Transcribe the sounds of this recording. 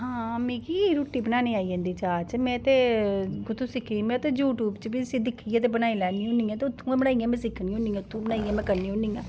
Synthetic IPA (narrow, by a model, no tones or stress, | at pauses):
ɦãːmĩːkiːɾuːʈːiːbənaːnĩːaːiːd͡ʒẽːnd̪iːt͡ʃaːt͡ʃmɛ̃ːt̪eːɡʊt̪ʰũːsɪkʰːimɛ̃ːt̪eːd͡ʒuːʈuːbt͡ʃbisid̪ɪkʰːiãːt̪̬eːbənaːilɛːniːɦõnĩːãːt̪eːʊt̪ʰːũːãːbənaːiːãːmɛ̃ːsɪkʰːnĩːʊ̃nĩːãːʊt̪ʰːũːbənaːiãːmɛ̃ːkəɾnĩːʊ̃niːãː